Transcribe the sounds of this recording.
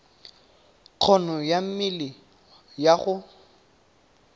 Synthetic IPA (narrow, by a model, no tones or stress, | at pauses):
q͡χʰɔnɔjam̩mɪlɪ | jaɣʊ